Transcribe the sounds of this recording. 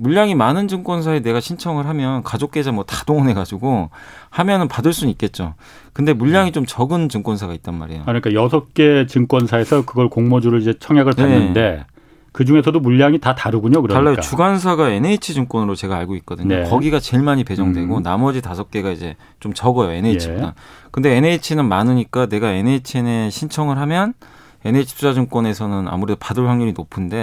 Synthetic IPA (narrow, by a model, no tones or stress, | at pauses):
muʎːaŋimanɯnd͡ʑɯŋk͈wʌns̬ʰae̞ne̞ɡaɕʰint͡ɕʰʌŋɯɭɦamjʌnkad͡ʑok̚k͈e̞d͡ʑamwʌtḁdoŋɯnɦe̞ɡad͡ʑuɡohamjʌnɯnpadɯɭs͈unik͈e̞t̚t͡ɕ͈o | kɯnde̞muʎːaŋit͡ɕomt͡ɕʌɡɯnt͡ɕɯŋkwʌnsʰaɡait̚t͈anma̰ɾḛjo̰kɯɾɲik͈ajʌsʰʌk͈e̞t͡ɕɯŋk͈wʌnsʰae̞sʰʌkɯɡʌɭkoŋmod͡ʑuɾɯɭid͡ʑe̞t͡ɕʰʌŋjaɡɯɭpaenːɯnde̞ | kɯd͡ʑuŋe̞sʰʌdomuʎːaŋitataɾuɡuɲokɯɾaɭːajot͡ɕuɡans̬ʰaɡae̞neit͡ɕʰid͡ʑɯŋk͈wʌnɯɾot͡ɕe̞ɡaːɭɡoit̚k͈ʌdɯɲɲokʌɡiɡat͡ɕe̞ɭmaɲipe̞d͡ʑʌŋdwe̞ɡonamʌd͡ʑitasʰʌp̚k͈e̞ɡaid͡ʑe̞ | t͡ɕomt͡ɕʌɡʌjoe̞neit͡ɕʰit͈ankɯnde̞ːneit͡ɕʰinɯnmanɯɲik͈ane̞ɡae̞neit͡ɕʰieneɕʰint͡ɕʰʌŋɯɭɦamjʌn | e̞neit͡ɕʰi̥pʰusad͡ʑɯŋk͈wʌne̞sʰʌnɯna̰muɾe̞dopadɯɭɸwaŋɲuɾinopʰɯnde̞